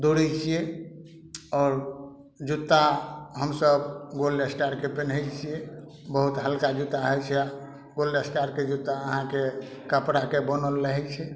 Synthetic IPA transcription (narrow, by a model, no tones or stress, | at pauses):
d̪oɽɛt͡ʃʰije | ɔːɾ | d͡ʒut̪ːaɦəmsəbɡolːesʈaɾkepenɦɛjt͡ʃʰije | bəɦut̪ɦəlkad͡ʒut̪ːaɦəjt͡ʃʰɛa | ɡolːesʈaɾked͡ʒut̪ːaəɦãke | kəpɽakebənəlːəɦɛt͡ʃʰɛ